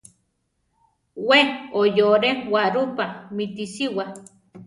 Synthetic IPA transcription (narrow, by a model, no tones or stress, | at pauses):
weojoɾeŋwaɾupamit̪isiwa